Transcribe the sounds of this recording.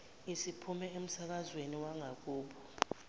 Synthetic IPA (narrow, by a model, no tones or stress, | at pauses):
isipʰumɛem̩sak̬azweniwaŋak̬uːɓɔ